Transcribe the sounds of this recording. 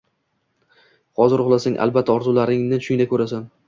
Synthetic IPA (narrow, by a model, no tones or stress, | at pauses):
hɒzɪɾʊʁlˠasaŋʔa̰lˠbat̪ʰːaɒɾzʊlaɾɪŋnɪʊʃʊŋd̪akʰɵɾasan